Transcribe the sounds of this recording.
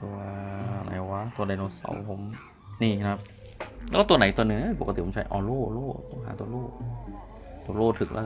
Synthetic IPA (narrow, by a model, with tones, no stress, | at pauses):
t̪u˧ɐna̰˨˦jwa˦˥t̪u˧ɐna˧jnoː˧sa̰˨˧˦wpʰo˨˦m | niː˧˩˧kʰa˦˥p̚ | lɛː˦˥˩t̪u˧ɐna˨˦jt̪u˧ənɯ˧˩˦ʔə˥˩po˨˩ka˩i˨˩po˨˩˦mt͡ɕʰa˦˥jʔɔː˧loː˥˩loː˥˩t̪o˧˥˦ŋɦa̰ː˧˦t̪u˧ɐloː˥˩k̚ | t̪u˧ɐ˧loː˥˩t̪ʰɯ˨˩k̚lʔa̰˧˥